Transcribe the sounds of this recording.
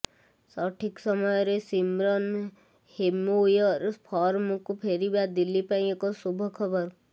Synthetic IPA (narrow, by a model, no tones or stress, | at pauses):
sɔːʈʰiksəmɔjɾesimɾɔn | hemujɔɾpʰɔːɾmukupʰeːɾibad̪ɪlːipaĩekɔsubʱəkʰəbəɾ